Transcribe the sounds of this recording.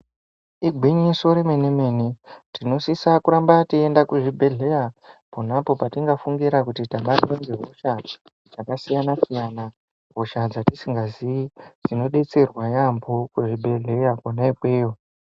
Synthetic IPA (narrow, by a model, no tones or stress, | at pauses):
iɡʱwiɲiso̞ɾemenemeːnitino̞sisakuɾambatiendakuʐibʱe̞ɮe̞japonapo̞patiŋɡafuŋɡiɾakutitaɓatwenɡeɦo̞ʃa | d͡zakasijanasijana | ɦoʃad͡zatisiŋɡaziid͡zino̞ɗe̞t͡se̞rwajambokuʐibʱe̞ɮe̞jakonaipweːjo